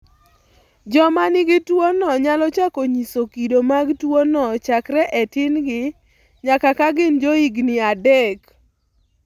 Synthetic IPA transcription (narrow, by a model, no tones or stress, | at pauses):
d͡ʒɔmanɪɡɪtwonɔɲalɔt͡ʃakoɲisokidomaɡtwonɔt͡ʃakɾɛʔɛtɪnɡɪ | ɲakakaɡɪnd͡ʒoiɡnɪadɛk